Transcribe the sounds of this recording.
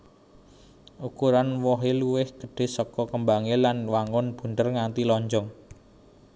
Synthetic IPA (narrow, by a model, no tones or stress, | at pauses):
ukuɾanwɔɦeluwɪhɡ̥ə̥̤ɖ̥e̤sɔkɔkəmbaŋelanwaŋʊnb̥ṳnt̪ərŋant̪ilɔɲd͡ʒɔŋ